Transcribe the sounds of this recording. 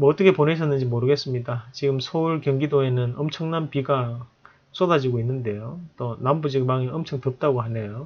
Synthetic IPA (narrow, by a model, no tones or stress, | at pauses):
mʌʌt͈ʌkʰepone̞ɕʰʌnːɯnd͡ʑimoɾɯɡe̞s͈ɯmɲidat͡ɕiɡɯmsʰʌuɭkjʌŋɡidoe̞nɯnʌmt͡ɕʰʌŋnanpiɡa | s͈odad͡ʑiɡoinːɯnde̞jot͈onambud͡ʑikmaŋiʌmt͡ɕʰʌŋtɯp̚t͈aɡohanejo